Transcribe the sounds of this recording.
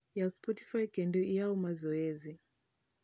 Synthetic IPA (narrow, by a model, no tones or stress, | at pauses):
jaspɔti̥fajkɛndiɔijaumazɔɛzi